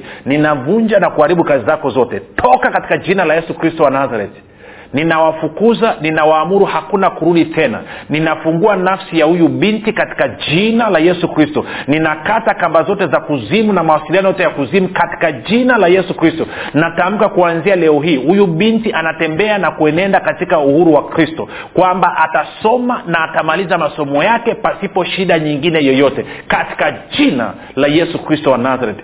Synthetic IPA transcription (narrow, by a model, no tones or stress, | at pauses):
ninavuɲd͡ʒanakuhaɾiɓukazizakɔzɔtɛtʰɔkakati̥kaʄinalajɛsukɾistɔwanazaɾɛti̥ | ninawafukuzaninawaːmuɾuhakunakuɾuɗitɛna̰ninafuŋɡuanafsijahujuɓintikati̥kad͡ʒinalajɛsukɾistɔninakatakambazɔtɛzakuzimunamawasilianɔjɔtɛjakuzimukati̥kaʄinalajɛsukɾistɔnatam̩kakuanzialɛɔɦiːhujuɓintiʔanatɛmbɛanakuɛnɛndakatikauhuɾuwakɾistɔ | kwambaʔatasɔmanaːtamalizamasɔmɔjakɛpasipɔʃiɗaɲiŋɡinɛjɔjɔtɛkati̥kaʄina̰ | lajɛsukɾistɔwanazaɾɛt